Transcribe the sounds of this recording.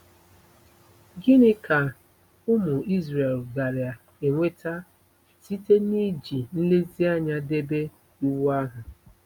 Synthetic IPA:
ɡɪ˦nɪ˦kʰa˨ | ʊ˦mʊ˨i˦zɾe˨lɡa˨ɾja˨ | e˨ŋʷe˦ta˦ | si˦te˦ni˦d͡ʒi˨n̩˦le˦zi˦a˦ɲa˦de˦be˦ | u˦wu˦a˦ɦʊ˨

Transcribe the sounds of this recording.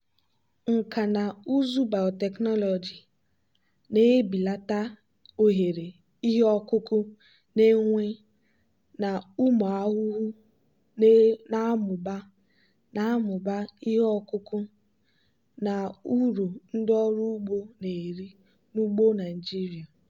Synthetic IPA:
ŋ̩˨ka˨na˨u˦zu˦ba˨ɔ˨tɛ˨knɔ˦lɔ˨d͡ʒi˨ | ne˦bi˨la˦ta˦ | o˨ɦe˨ɾe˨ | i˦ɦe˦ɔ˦kʊ˦kʊ˦ | ne˦ŋʷe˦ | na˨u˦mɔ˨a˦ɦʊ˦ɦu˦ | na˨˦mʊ˨ba˦ | na˨˦mʊ˨ba˦i˦ɦe˦ɔ˦kʊ˦kʊ˦ | na˨u˦ɾu˨n̩˦dɪ˦ɔ˦ɾu˦ɡ͡bo˦ne˨ɾi˦ | nu˦ɡ͡bo˦na˨i˨d͡ʒi˦ɾi˨a˨

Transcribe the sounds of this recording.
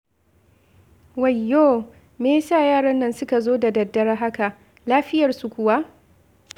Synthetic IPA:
wa˨jːoː˦˨ | meː˦saː˦˨jaː˦˨ɽɐ˦nːɐ˦nsʊ˦ka˨zoː˦da˨dɐ˨dːɐ˦ɽa˦ɦa˦ka˨ʔ | laː˦ɸɪ˦jɐ˨rsu˨kʷʊ˨wa˦ʔ

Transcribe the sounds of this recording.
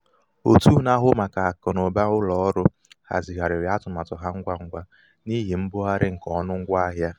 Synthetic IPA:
o˨tu˦˨na˦ɦʊ˦ma˨ka˨a˨kʊ˨no˨ba˦ʊ˦lɔ˨ɔ˦ɾʊ˦ | ha̰˨zi˨ɦa˨ɾɪ˨ɾja˦tʊ˨m˨a˨tʊ˨ɦa˦ŋ̩˦ɡʷa˦ŋ̩˦ɡʷa˦ | ni˦ɦi˨m̩˦bʊ˦a˦ɾɪ˦ŋ̩˨kɔ˦nʊ˦ŋ̩˦ɡʷa˦a˦ɦja˦

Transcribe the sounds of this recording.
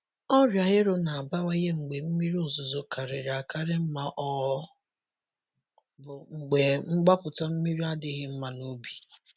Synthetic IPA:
ɔ˦ɾja˨ɦɪ˦ɾʊ˦na˨a˨ba˦wa˦je˦ŋ͡m̩˨ɡ͡be˨m̩˦mi˦ɾi˦o˨zʊ˨zo˨ka˨ɾɪ˨ɾɪ˨a˨ka˦ɾɪ˦m̩˦ma˦ʔɔ˦ | bʊ˨ŋ͡m̩˨ɡ͡be˨ŋ͡m̩˦ɡ͡ba˦pʊ˨ta˦m̩˦mi˦ɾi˦a˦dɪ˦ɣɪ˦m̩˦ma˨no˦bi̥˨

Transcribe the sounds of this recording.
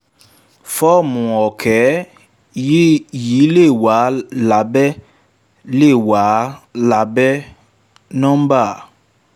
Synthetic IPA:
fɔː˦mʊ˨ɔ˨kʰɛ˨˦ | ji˨˦le˦˨wa˨˦la˨be˦ | le˦˨waː˨˦la˨be˦ | nɔ˦m̩˦ba˦˨

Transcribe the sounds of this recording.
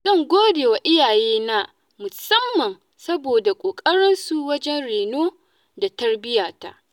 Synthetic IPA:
z̥ɐ˦˨ŋɡʷoː˦deː˨wa˨ʔɪ˦jaː˨jeː˦na˦ | mʊ˨sɐ˦mːɐ˨n | sɐ˦boː˨da˨kʷʼoː˨kʼɐ˦ɽɪ˦nsu˦wɐ˦d͡ʒɛ˦nɽeː˨noː˦ | da˨tɐ˦rbɪ˦jaː˨ta̰˦ʔ

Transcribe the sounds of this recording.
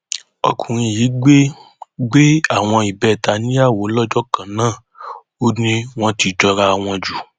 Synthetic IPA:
ɔ̰˧kũ˨ɾ̃ĩ˧˨ji˨˦ɡ͡be˦ | ɡ͡be˦a˦˨w̃ɔ̃˧i˨bɛ˦˨ta˨˦nĩ˦a˦˨wo˨˦lɔ˦d͡ʒɔ˦kã˨nãː˦˨ | o˦nĩ˦w̃ɔ̃˦ti˧˨d͡ʒɔ˧ɾa˧˨w̃ɔ̃˧d͡ʒu˨

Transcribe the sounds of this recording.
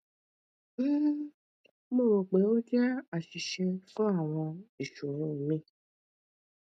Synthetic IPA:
m̩˦ | ɡ͡bo˦˨ɾo˨k͡pe˨˦wo˦d͡ʒɛ˦a˨ʃi˨ʃe˧fe˦a˨w̃ɔ̃˧i˨ʃu˨ɾ̃ĩ˨˦wũ˨mĩ˦˨

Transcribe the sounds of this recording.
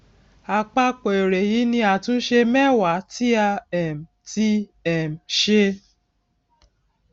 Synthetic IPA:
a˨k͡pa˧k͡po˨e˨ɾe˨ji˨˦nĩ˧a˨tũ˦n̩˦ʃe˧mɛ˦˨wa˨˦ti˦a˧ɛ˨m̩˨ti˧˦ɛ˨m̩˨ʃe˧

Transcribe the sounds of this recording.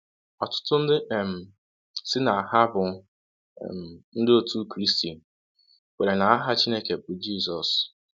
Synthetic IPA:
ɔ˨tʊ̥˦tʊ˦n̩˦dɪ˦ʔm̩˨ | sɪ˦na˨a˨ha˦bʊ̰˨ | n̩˦dɪ˦o˦tu˦kɾi˦sti˨n˨ | we˨ɾe˨na˨a˦ɦa˦t͡ʃi˦ne˦ke˨pʊ˨d͡ʒi˦˨sɔ˨s

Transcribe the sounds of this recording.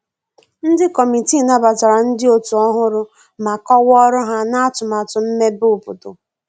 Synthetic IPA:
n̩˦dɪ˦kɔ˨mi˨ti˦˨na˦ba˨ta˨ɾa˨n̩˦dɪ˦o˦tu˨ɔ˦ɦʊ˦ɾʊ˦ | ma˨kɔ˦wɔ˦ɾʊ˦ɦa˦na˦a˦tʊ˨ma˨tʊ˨m̩˦me˦bʊ˦˨pʊ˨tʊ̰˨

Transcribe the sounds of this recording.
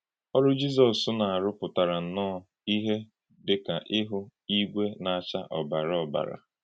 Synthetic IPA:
ɔ˦ɾʊ˦d͡ʒi˦z̬ɔ˨sʊ˦na˨a˨ɾʊ˦pʊ˨ta˨ɾa˨n̩˨nɔː˦˨ | i˦ɦe˦ | dɪ˨ka˨ʔɪ˦ɦʊ˦i˦ɡʷe˦na˨a˨t͡ʃa˦ʔɔ˨ba˨ɾɔ˦˨ba̰˨ɾa̰˨

